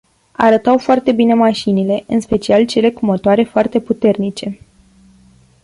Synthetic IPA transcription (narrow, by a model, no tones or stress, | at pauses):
a̰ɾət̪awfoart̪e̞bine̞maʃinile̞ɨnspe̞t͡ʃialt͡ʃe̞le̞kumot̪oaɾe̞foart̪e̞put̪e̞rnit͡ʃe̞